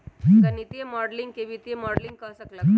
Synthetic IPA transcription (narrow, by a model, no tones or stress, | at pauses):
kənit̪emɔɽliŋɡkeʋit̪emɔɽlĩŋɡ̚kãsəkla